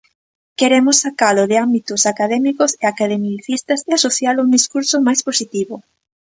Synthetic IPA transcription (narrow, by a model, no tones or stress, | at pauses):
keɾemʊsːakalʊðɪambit̪ʊsakaðɛmikʊseakaðemiθist̪ɐseasoθjaluŋd̪iskuɾsomajsposit̪iβʊ